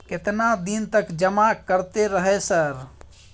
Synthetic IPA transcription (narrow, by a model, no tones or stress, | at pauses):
ket̪nad̪int̪əkd͡ʒəmakəɾt̪eɾəɦɛsəɾ